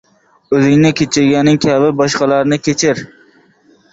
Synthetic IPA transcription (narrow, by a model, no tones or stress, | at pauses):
ɵzɪŋnɪkʲʰet͡ʃʰɪɾɡʲanːɪŋkʲʰabɪbɒʃqɑlˠaɾnɪkʲʰet͡ʃʰɪɾ